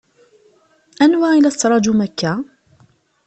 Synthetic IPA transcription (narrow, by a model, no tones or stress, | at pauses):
ʔanwaːʕɪlasːɾˤɑd͡ʒʊmakːa